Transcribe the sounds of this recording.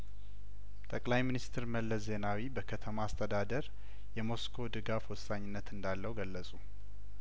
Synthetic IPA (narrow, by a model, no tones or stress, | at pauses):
t̪ʼəkʼlajminist̪ʰɨɾməlːəszːe̞nawibəkʰət̪ʰəmaːst̪ʰəd̪ad̪əɾ | jɛmo̞skʰo̞d̪ɨɡafwɔsːaɲːɪnːət̪ɨnd̪alːəwɡəlːəsʼu